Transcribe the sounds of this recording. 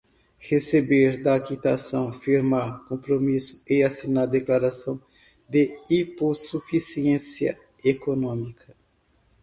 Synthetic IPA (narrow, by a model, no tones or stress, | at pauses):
hesebeɾd̪ɐːkit̪asɐ̃w̃fiɾmaɾkõpɾomisʊ̥easinaɾd̪eklaɾasɐ̃w̃ | d̪ɪiposufisiẽsiɐ | ekonõmikʰɐ